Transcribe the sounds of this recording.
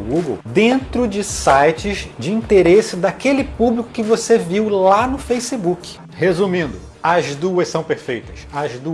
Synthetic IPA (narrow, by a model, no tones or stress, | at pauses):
ɡuɡḛwd̪ẽnt̪ɾʊd͡ʒɪsajt͡ʃɪzd͡ʒɪĩt̪eɾesɪd̪akelɪpublikʊ̥kɪvoseviwlanʊfejsɪbukɪ̥ | hezumĩnd̪ʊ | ɐzd̪uɐssɐ̃w̃peɾfejt̪ɐsɐzd̪u